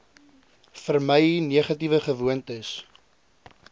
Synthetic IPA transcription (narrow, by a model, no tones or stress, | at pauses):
fərməjniəχɐtivəχəvuəntəs